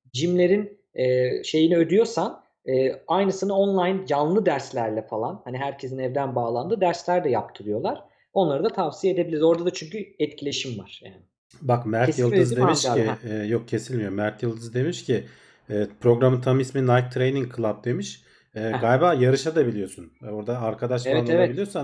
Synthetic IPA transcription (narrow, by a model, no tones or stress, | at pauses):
d͡ʒimlʲe̞ɾin | ɛːʃe̞jiniø̞d̪yjo̞ɾsan | ɛːajnɯsɯnao̞nlˠajnjanˠlˠɯd̪æɾslʲæɾlʲɛfalˠanhaniɦæɾcʰe̞zinɛvd̪ænbaːlˠand̪ɯd̪æɾslʲæɾd̪ɛjap̚t̪ʰɯɾɯjo̞lˠaɾ̥ | o̞nlˠaɾɯd̪at̪ʰavsijaed̪ebilʲiɾzo̞ɾd̪ad̪at͡ʃʰyɲcʰyɛt̪cʰilʲe̞ʃimva̰ɾ̥ja̰ːnɪ | bakmæɾjɯlˠɯzd̪emiʃijok̚cʰe̞silʲmijoɾmæɾt̪ʰjɯlˠd̪ɯzd̪e̞miʃcʰi | ɛːpʰɾo̞ɡɾamɯt̪ʰamisminajk̚t̪ʰɾejniŋkʰɯlˠap̚d̪e̞miʃ | ɛːɡajbaːjaɾɯʃad̪abilʲijo̞suno̞ɾd̪aːɾkʰad̪aʃaaɛabilʲijosan